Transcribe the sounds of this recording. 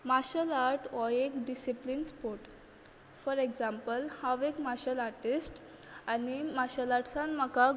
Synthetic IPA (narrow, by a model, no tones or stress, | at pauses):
maɕəlaɾʈɔjekɖisiplinspoɾʈ | fɔɾeɡd͡zãmpəlhaʋekmaɕəlaɾʈisʈ | animaɕəlaʈsãnməka